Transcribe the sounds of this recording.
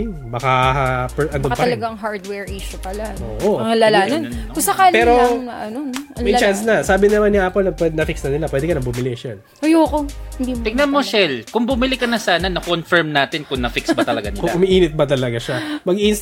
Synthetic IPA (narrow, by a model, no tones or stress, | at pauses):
ŋ | bɐkapɛʔɐnd̪opɐɐlɐɡaŋɦaɹd̪wɛɹʔiʃʊpɐlaoːʔoɐlaːlaːnɐnɐkʊsɐkaːlpɛːɾoŋnɐʔɐnonɐmɛjt͡ʃansnɐsaːbɪnɐmanɪʔapolɐpwɛnɐfɪksnɐnɪlapwɛːd̪ɛkɐnɐbumɪlɪʃɛl | ʔɐjoːkohɪnd̪it̪ɪɡ̚nɐnmo̞ʃɛlkʊŋbʊmɪlɪkɐnɐsaːnɐnɐkonfɛɹmnaːt̪ɪnkʊŋnɐfɪksbɐt̪ɐlɐɡa̰nɪ̰lkʊŋʔʊmɐʔiːnɪt̪̚bɐt̪ɐlɐɡaʃamɐɡʔins